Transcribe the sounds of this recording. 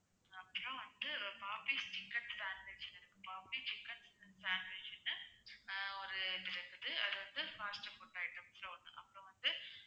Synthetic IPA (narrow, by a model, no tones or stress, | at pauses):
ɐpːɐɾõʋɐnd̪ɯpaːpist͡ʃɪkːɐnssaːnʋet͡ʃɐnɛɾɯkːɯpaːpit͡ʃɪkːɐnssaːnʋeːt͡ʃɪnːɐ | ɔɾɯt̪ɪɾɐkːɯðɯɐðɯʋɐnd̪ɯfaːsʈɐfuʈːɐɪʈɐmslɐʊɳːɯ̰̃ʔɐ̰pːɽõʋɐnd̪ɯ